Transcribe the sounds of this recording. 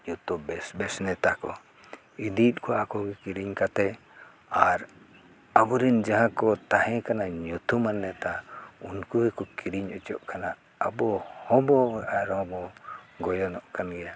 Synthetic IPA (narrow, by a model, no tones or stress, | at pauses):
jut̪ubɛsbɛsnɛt̪akɔ̰ | id̪it̪̚kʰɔaakɔɡɛkiɾiɲkat̪ɛ | aɾ | abɔɾind͡ʒaɦãkɔt̪ahɛ̃kanaɲut̪umanːɛt̪aunkuhɛkɔkʰiɾiɲɔt͡ʃɔʔkana | abɔhɔbɔaɾhɔbɔɡɔjɔnɔʔkanɡɛja